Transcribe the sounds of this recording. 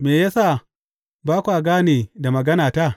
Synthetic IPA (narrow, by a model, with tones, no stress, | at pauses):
meː˨jaː˦sa˦˨ | baː˦kʷu˨ʔa˨ɡaː˦neː˨da˨mɐ˨ɡɐ˦naː˨ta˦˨